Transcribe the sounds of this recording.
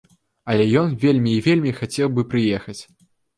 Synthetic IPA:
ɐlʲɛjɔnvʲelʲmʲiːvʲelʲmʲixat͡sʲɛwbɨpɾɨjɛxɐt͡sʲ

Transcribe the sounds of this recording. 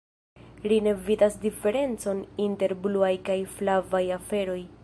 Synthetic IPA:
line̞vidasdife̞ɾe̞nt͡so̞ninte̞ɾbluajkajflavajafe̞ɾo̞j

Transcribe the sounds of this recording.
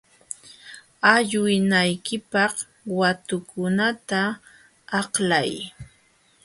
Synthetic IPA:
aʎʊjnajkɪpɑχ | wat̪ʊkʊnat̪aː | qlaj

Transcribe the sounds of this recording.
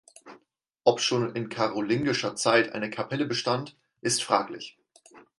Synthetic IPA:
ʔɔpʃoːnɪnkʰaʁolɪnɡɪʃɐt͡saɪtʔa̰ɪnəkʰapʰɛləbəʃtant | ʔɪstfʁ̥aːklɪ̰ç

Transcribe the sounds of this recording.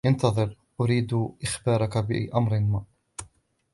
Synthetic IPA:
ʔant̪ɑðˤɨɾ | ʔʊɾiːd̪ʔɪxbɑːɾˤɑkabɪʔamɾɪnːa

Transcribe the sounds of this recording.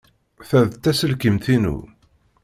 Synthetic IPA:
θæðt̪ːæsəlkəmθinṵ

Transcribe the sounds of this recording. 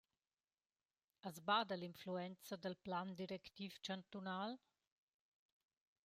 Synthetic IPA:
azbad̪alinfluɛnt͡sad̪əlpland̪iɾɛkt̪ift͡ʃant̪unal

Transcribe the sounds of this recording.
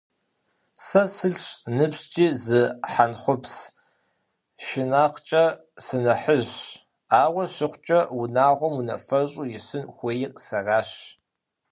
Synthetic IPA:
sɐsʰɨɮɕnɨpɕt͡ʃʼiːzɨħanχʷʊps | ʃɪnaːqʷt͡ʃʼɐ | sɨnɐħəʑ | aːwɐɕɪχʷt͡ʃʼɐwʊnaːʁʷɔmunɐ̰fɐɕʼujɪsɨnxʷeːjɪqʼsɐraːɕ

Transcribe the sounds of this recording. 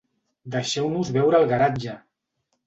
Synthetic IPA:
d̪əʃɛwnuzβɛwɾəːlˠɣaɾad͡ʒə

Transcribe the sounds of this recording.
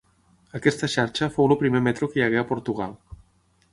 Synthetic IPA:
akɛst̪ɐʃaɾt͡ʃɐfowlopɾimemɛt̪ɾokeʎaɣeapoɾt̪uɣa̰l

